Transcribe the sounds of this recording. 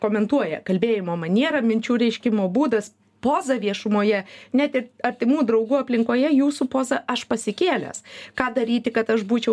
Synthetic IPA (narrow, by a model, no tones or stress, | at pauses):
koːmʲɛnt̪uɔjɛ̰kɐlʲbʲeːjɪmoːmɐnʲiɛɾɐmʲɪnʲt͡ʃʲuːɾʲɛɪʃʲkʲɪmoːbuːd̪ɐs | poːzɐʋʲiɛʃʊmoːjɛnʲæt̪ʲɪɾɐɾʲt̪ʲɪmuːd̪ɾɐʊɡuːɐpʲlʲɪŋkoːjɛjuːsʊpoːzɐɐʃpɐsʲɪkʲeːlʲɛ̰skɑːd̪ɐɾʲiːt̪ʲɪkɐt̪ɐʃbuːt͡ʃʲɛʊ